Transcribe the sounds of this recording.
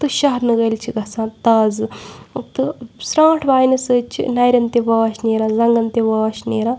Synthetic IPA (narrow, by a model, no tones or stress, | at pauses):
t̪ɨʃɐɦɾnɨɡɐjlt͡ʃʰiɡɐsãːt̪ɐːz | t̪ɨsɾãːʈʰʋaːjnɐsɨt͡ʃʰḭnɐjɾɐnt̪eʋaːʃneːɾaːzɐŋɡɐnt̪eʋaːʃneːɾãː